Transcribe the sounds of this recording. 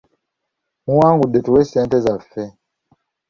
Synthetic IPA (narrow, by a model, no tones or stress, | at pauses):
muwaŋɡuɗɛtuwɛsɛntɛzafɛ